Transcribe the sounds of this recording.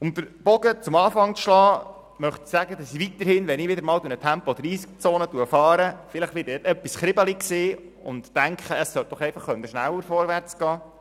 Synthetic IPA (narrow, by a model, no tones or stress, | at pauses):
ʊmd̪əɾb̥ɔɡət͡sʊmɑːfɑŋt͡sʃlɑː | mœχt̪i̥sæɡəd̪ɑsiʋit̪əɾhɪnʋɛnɪʋɪdəɾmɑːldunətʰæmpɔd̪ɾiːst͡soːnətuəfɑːɾəfɪləχtʋɪːtɛtœpːisχɾɪbəlikseː | ʊ̰nt̪ːæŋkχəəsːœlt̪̚ɔχɛɪfɑχːœnd̪əʃnæwəɾfɔɾʋært͡sɡ̥ɑː